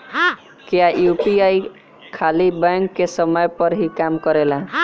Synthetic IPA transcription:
kiajupiaj | kʰalibəŋkːesəməjpəɾɦikamkəɾelã

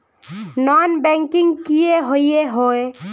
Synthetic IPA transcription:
nɔnbɛ̃ŋkɪŋɡkijeɦoieɦoːe

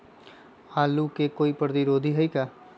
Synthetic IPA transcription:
aːlukekoːipəɾət̪iɾoːd̪ʱiɦəikaː

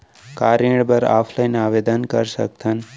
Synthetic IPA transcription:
kaɾiɽbəɾa̰pʰlajnaʋed̪ənkəɾsə̰k̚t̪ʰən

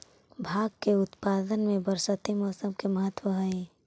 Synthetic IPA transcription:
bʱaːɡ̚keʊt̪paːd̪ənmẽbəɾsət̪imɔːsəmkeməɦət̪wəɦəe

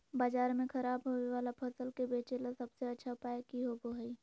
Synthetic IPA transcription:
baːd͡ʒaːɾmẽkʰɐɾaːbɦoːeʋaːlapʰɐsəlkebeːt͡ʃelasɐbseɐtːʃʰapaːekiɦoboɦəi

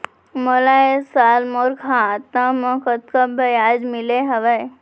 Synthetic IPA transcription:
molaesaːlmoɾkʰat̪ãmə̃kət̪kəbʱəjaːd͡ʒmɪleɦəʋəj

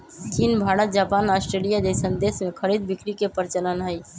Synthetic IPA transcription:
t͡ʃinbʱaːɽət̪̚d͡ʒaːpaːnaːsʈɾeːlijad̪esə̃nd̪eːsmẽkʰəɾiːd̪̚bɪkɾikepəɾɪt͡ʃələnɦəi

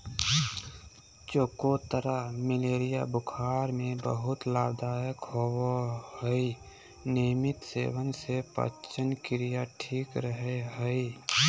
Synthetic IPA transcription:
t͡ʃoːkot̪əɾamɪleːɾija̰bʊkʰaːɾmẽbəɦʊt̪laːbd̪aːjəkhoohəi | nimɪt̪sḛːwənsepə̰t͡ʃənkɪɾijaʈʰiːkɾəɦeɦəi

